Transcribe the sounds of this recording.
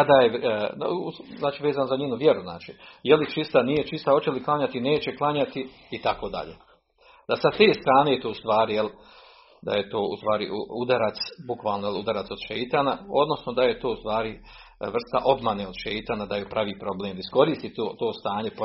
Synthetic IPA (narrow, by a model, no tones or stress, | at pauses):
kad̪ajḛ | uznaːt͡ʃiːʋe̞ːzanozaɲeːnuʋje̞ɾuzna̰ːt͡ʃijelit͡ʃist̪anijet͡ʃist̪aot͡ɕeliklˠaɲat̪ine̞ːt͡ɕe̞klˠaɲat̪i | it̪ako̞ːd̪a̰ʎḛː | d̪̥asat̪e̞ːst̪ɾaːneːt̪oust̪ʋaːɾijel | d̪a̰jet̪oːṵst̪ʋaːɾḭʔuud̪aɾat̪sbukʋaːlˠnojelud̪aɾat̪so̞d̪̥ʃejt̪aːnao̞d̪no̞snod̪ajet̪oːust̪ʋaːɾi | r̩st̪aʔo̞bmaneːod̪ʃejt̪aːnad̪ajepɾʔaʋiːpɾo̞bleːmdisko̞ɾiːst̪it̪ot̪o̞ːst̪aːɲe̞p